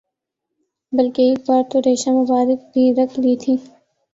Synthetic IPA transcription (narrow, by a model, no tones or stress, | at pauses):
bɐlkeeːk̚baːɾt̪oɾeːʃãmʊbaːɾɪk̚bʱiɾɐkʰliːt̪ʰiː